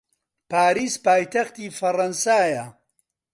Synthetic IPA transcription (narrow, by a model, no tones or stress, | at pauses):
paːɾiːspaːjt̪ɐxt̪iːfɐrɐnsaːjɐ